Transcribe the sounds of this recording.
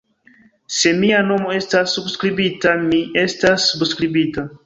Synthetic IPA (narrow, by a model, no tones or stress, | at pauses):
se̞miano̞mo̞e̞stasːubskɾibitamiʔe̞stasːubskɾibita